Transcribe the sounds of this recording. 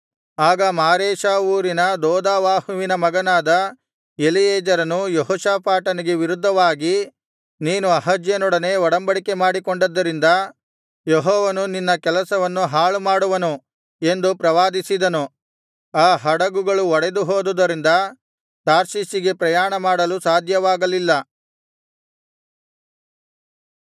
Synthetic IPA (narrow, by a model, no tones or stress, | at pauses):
aːɡɐmaːɾeːʃaːuːɾinɐd̪ɔːd̪aːʋaːhuʋinɐmɐɡɐnaːd̪ɐ | elijeːd͡ʒɐɾɐnujeɦɔːʃaːpaːʈɐniɡe̞ʋiɾud̪ʱːɐʋaːɡi | niːnuɐɦɐd͡ʒjɐnɔɽɐne̞ːɔɽɐmbɐɽikemaːɽikoɳɖɐd̪ːɐɾind̪ɐ | jeɦɔːʋɐnuninːɐkɛlɐsɐʋɐnːuɦaːɭumaːɽuʋɐnu | e̞nd̪upɾɐʋaːd̪isid̪ɐnu | aːɦɐɽɐɡuɡɐɭuɔɽed̪uɦoːd̪ud̪ɐɾind̪ɐ | t̪aːɾsisiɡe̞pɾɐjaːɳɐmaːɽɐlusaːd̪ʱjɐʋaːɡɐlilːɐ